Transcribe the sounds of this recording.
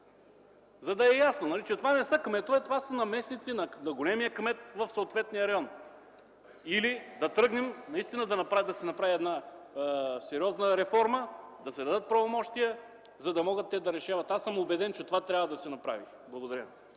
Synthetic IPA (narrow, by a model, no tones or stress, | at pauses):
zɐd̪ɐɛjasnonɐlit͡ʃɛt̪ovanɛsəkmɛt̪oɛt̪ovasɐnɐmɛsnit̪sinɐnɐɡolɛmijəkmɛt̪vɐfsoːt̪vɛt̪nijəɾɐjɔn | ilid̪ɐt̪ɾɤɡnɛmnɐist̪inəd̪ɐnɐpɾad̪ɐsɛnɐpɾaviɛd̪na | sɛɾiɔznəɾɛfɔɾməd̪ɐsɛd̪ɐd̪ɤt̪̚pɾɐvomɔʃt̪ijə | zɐd̪ɐmɔɡət̪ːɛd̪ɐɾɛʃavɐt̪asəmobɛd̪ɛnt͡ʃɛt̪ovat̪ɾʲavɐd̪ɐsɛnɐpɾa̰vi | blˠɐɡod̪ɐɾjə